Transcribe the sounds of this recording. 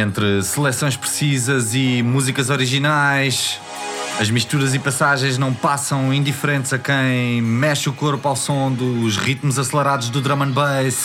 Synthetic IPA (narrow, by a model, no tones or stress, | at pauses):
ẽnt̪ɾɨsɨlˠɛsõj̃ʃpɾsizɐzimuzikɐzɔɾiʒinajʃ | ɐʒmiʃt̪uɾɐzipɐsaʒɐ̃j̃ʒnɐ̃w̃pasɐ̃w̃ĩnd̪ifɾẽnt̪zɐkɐ̃j̃mɛʃukoɾpawsõd̪uːʒʁit̪muzɐslˠɐɾaðuʒd̪ud̪ɾɐmɐ̃nbɐjs